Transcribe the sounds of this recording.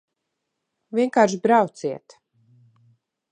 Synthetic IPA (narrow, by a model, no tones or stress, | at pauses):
vʲiɛŋkaːɾʃbɾawt̪siɛt̪